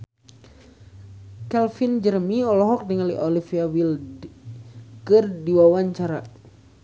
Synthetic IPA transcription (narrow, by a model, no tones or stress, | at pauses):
kɛlfind͡ʒərmiɔlɔɦɔk̚dəŋaliʔɔlifiawil | kɨrdiwawaɲt͡ʃaɾa